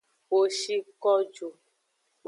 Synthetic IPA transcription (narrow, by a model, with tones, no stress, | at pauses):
wo˨ʃi˦kɔ˦d͡ʒo˨